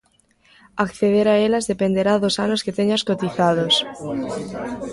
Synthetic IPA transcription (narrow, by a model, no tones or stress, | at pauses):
akθeð̞eɾaelazðepend̪eɾaðosanosket̪eɲaskot̪iθað̞os